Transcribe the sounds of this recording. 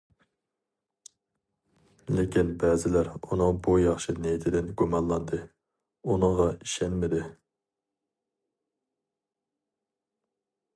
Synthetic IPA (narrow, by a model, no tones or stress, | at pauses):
lɪkʲinbɛzɪlæɾunɨŋbujɑχʃinejit̪ʰɪd̪ɪnɡumɑnlˠɑnd̪ɨ | unɨŋʁɑiʃɛnmɪd̪ɪ